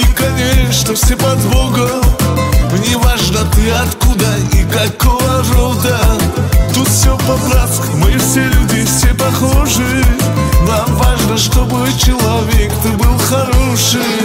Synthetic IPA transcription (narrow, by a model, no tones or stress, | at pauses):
ikɐnʲeʂt̪ofsʲepɐd̪voɡə | nʲɪvaʐnət̪ɨɐt̪kud̪ə | ikɐkovərod̪ət̪ut̪fsʲopɐbɾat̪kmɨfsʲelʲudʲɪfsʲepɐxoʐɨ | namvaʐnəʂt̪o̞bɨ | t͡ɕɪlˠɐvʲe̞kt̪ɨbɨlˠxɐɾoʂɨj